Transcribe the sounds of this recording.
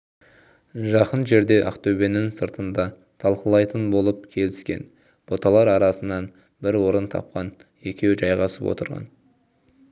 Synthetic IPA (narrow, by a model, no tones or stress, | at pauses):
ʒɑqənʒe̞ɾd̪e̞ʔɑ̰qt̪ɵwbe̞nɪŋsəɾt̪ənd̪ɑ | t̪ʰɑlˠqəlˠɑjt̪ənbo̞lˠəp̚kʲʰe̞lɪskʲe̞̰n | b̥o̞t̪ɑlˠɑɾɑɾɑsənɑn | bɪɾwo̞ɾənt̪ʰɑ̰p̚qɑnje̞kʲe̞wʒɑjʁɑsəpwo̞̰t̪ə̰ɾʁɑ̰n